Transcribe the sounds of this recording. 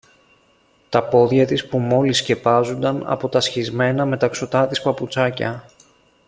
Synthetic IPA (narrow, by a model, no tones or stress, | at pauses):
t̪ɐpo̞ðʝɐt̪ispumo̞lisce̞pɐzund̪ɐnɐ̰po̞t̪ɐsçizme̞nɐme̞t̪ɐkso̞t̪ɐt̪ispɐput͡sɐcɐ̰